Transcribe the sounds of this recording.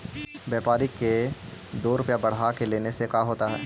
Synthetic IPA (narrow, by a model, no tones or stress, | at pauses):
bjɛːpaːɾɪkːe | d̪oːɾʊpjabɐɽ̤akeleːnesekaːɦoːt̪aɦɛː